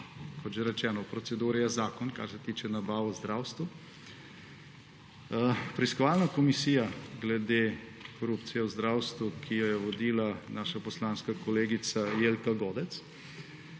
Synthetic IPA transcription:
kʰɔt̪ʒɛɾɛt͡ʃɛːnɔpɾɔtsɛd̪uːɾɛjazaːkɔnka̰ɾsɛt̪iːt͡ʃɛnabaːʋɔzd̪ɾawst̪ʋu | pɾɛiskɔʋalnakɔmisiːjaɡlɛd̪e | kɔɾupt̪sijɛuzd̪ɾawst̪ʋukʰijɔjɛʋɔd̪iːlanaːʃapɔslaːnskakɔleːɡit̪sajeːlkaɡɔːd̪ɛt̪s

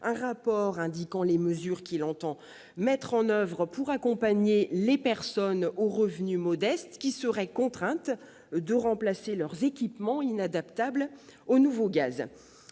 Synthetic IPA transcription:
ɛ̃ʁapɔʁɛ̃d̪ikɑ̃leməzyʁkʲilɑ̃t̪ɑ̃ | mɛt̪χɑ̃nœvʁpuʁakɔ̃paɲelepɛʁsɔnoʁəvnymɔd̪ɛst̪kʲisəʁɛkɔ̃t̪χɛ̃t̪ | d̪əʁɑ̃plaselœʁzekʲipmɑ̃inad̪apt̪ablonuvoɡaz

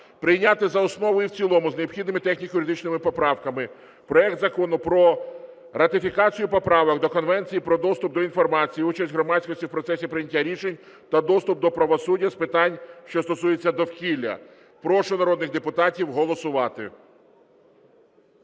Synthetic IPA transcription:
pɾɪjnʲat̪ɪzɐɔsnɔʋɔjiwt͡sʲilˠɔmʊzneɔpxʲid̪nɪmɪt̪ɛxnʲikjʊɾɪd̪ɪt͡ʃnɪmɪpɔpɾɑwkɐmɪ | pɾɔɛk̚t̪zɐkɔnʊpɾɔ | rɐt̪ɪfʲikɑt͡sʲijʊpɔpɾɑʋɔkd̪ɔkɔnʋɛnʲt͡sʲijipɾɔd̪ɔst̪ʊp̚d̪ɔin̪fɔrmɑt͡sʲijiut͡ʃɐsʲtʲɦɾɔmɑt͡sʲsʲkɔsʲtʲiwpɾɔt̪sɛsʲipɾɪjnʲɐtʲːaɾʲiʃenʲ | t̪ɐd̪ɔst̪ʊp̚d̪ɔpɾɐʋɔsudʲːɐspɪt̪ɑnʲʃt͡ʃɔst̪ɔsuje̞t͡sʲːɐd̪ɔwkʲilʲːɐ̰ | pɾɔʃʊnɐɾɔd̪nɪɣd̪epʊt̪ɑtʲiwɦɔlˠɔsʊʋɑt̪ɪ̰

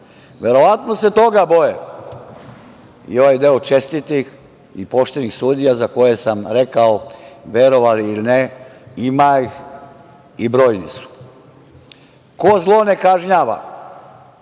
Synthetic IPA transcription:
ʋe̞ɾo̞ʋat̪no̞se̞t̪o̞ɡabo̞je | ḭo̞ʋajd̪eot͡ʃe̞st̪it̪ix | ipo̞ʃt̪e̞nixsuːd̪ijazako̞je̞samɾe̞kaoʋʲje̞ɾo̞ʋaliilineimaix | ibɾoːjnisu̥ | kozlˠo̞ne̞kaʒɲaːʋa̰

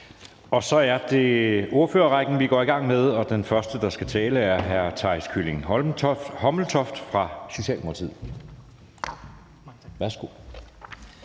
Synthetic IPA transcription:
ɒ̽sɒ̽æɐd̥e̝o̝ɐføːɐʁɑɡ̥n̩ʋiɡ̥ɒ̰ːiɡ̥ɑ̈ŋ̰með̞ˠɒ̽d̥enfɶɐsd̥əd̥ɑ̈sɡ̥æt͡sʰɛːləæɐɦæɐt͡sʰɑ̈ɪskʰyleŋhɒ̥hɒ̽ml̩t͡sʰɒ̽fd̥fʁɑ̈so̝ɕɛ̰ːlmokʰɑt͡sʰḭð̰ˠ | ʋæɐsɡ̥o̝

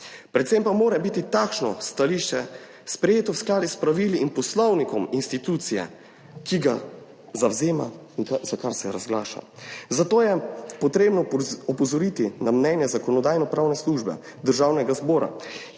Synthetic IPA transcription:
pɾɛt̪sempamoːɾɛbit̪it̪aːkʃnɔst̪aliʃt͡ʃɛ | spɾɛjeːt̪ɔwsklaːd̪ispɾaʋiliːnpɔslɔwnikɔminst̪it̪uːt̪sijɛ̰ | kiɡa̰ | zawzeːma̰iŋkazakaɾsɛɾazɡla̰ːʃa̰zat̪oːjɛpɔt̪ɾeːbnɔɔpɔzɔɾit̪inamnɛnjɛzakɔnɔd̪aːjnɔpɾaːwnɛsluːʒbɛ̰ | d̪əɾʒawnɛɡazbɔːɾa̰

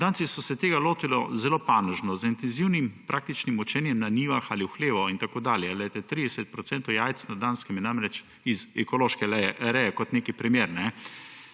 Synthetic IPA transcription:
d̪aːnsisɔsɛt̪eːɡaloːt̪ilɔzɛloːpanəʒnɔzint̪ɛnziwnimpɾʔaːk̚t̪it͡ʃnimut͡ʃɛnjɛmnaniːʋaxaliwxleːʋɔint̪akoːd̪aːljɛalɛjt̪ɛt̪ɾid̪ɛsɛt̪̚pɾɔt̪sɛnt̪ɔwjaːjt̪t͡s̪nad̪ːanskɛmjɛnamɾɛt͡ʃ | izɛkɔloːʃkɛɾɛjɛkɔt̪neːkipɾimeːɾnɛ

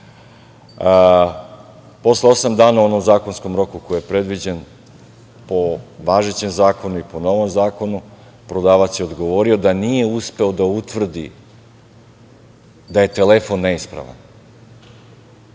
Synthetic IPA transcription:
po̞sleo̞samd̪aːnao̞no̞mzaːko̞nsko̞mɾo̞kuko̞jijepɾe̞d̪ʋid͡ʑen | po̞ʋaːʒet͡ɕe̞mzaːko̞nuipo̞no̞ʋo̞mzaːko̞nu | pɾod̪aːʋat̪sjeo̞d̪ɡo̞ʋo̞ɾio̞d̪anije̞uspe̞o̞d̪aut̪ʋr̩d̪ḭ | d̪aje̞t̪e̞lefo̞nːe̞ispɾa̰ʋa̰n

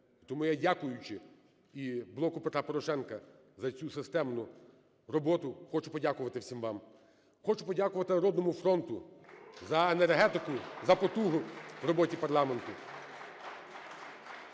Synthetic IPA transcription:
it̪ɔmujadʲakʊjʊt͡ʃɪ | iblˠɔkʊpet̪ɾapɔɾɔʃɛnkɐ | zɐt͡sʲusɪst̪ɛmnʊ | rɔbɔt̪ʊxɔt͡ʃʊpɔdʲakʊʋɐt̪ɪwsʲimʋɑm | xɔt͡ʃʊpɔdʲakʊʋɐt̪ɪɐɾɔd̪nɔmʊfɾɔnt̪ʊzɐenerɦɛt̪ɪkʊzɐpɔt̪uɦʊʋrɔbɔtʲipɐrlˠɑme̞nt̪ʊ

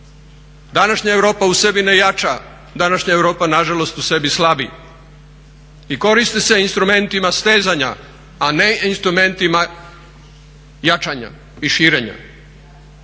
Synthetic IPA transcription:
d̪anaʃɲaevɾo̞ːpause̞bine̞jat͡ʃa | d̪anaʃɲaeʋɾoːpanaʒalo̞st̪use̞bislˠabḭ | iko̞ɾist̪ese̞inst̪ɾume̞nt̪imast̪eːzaɲaː | ne̞inst̪ɾume̞nt̪ima | jat͡ʃaɲa̰ | iʃiːɾe̞ɲa̰

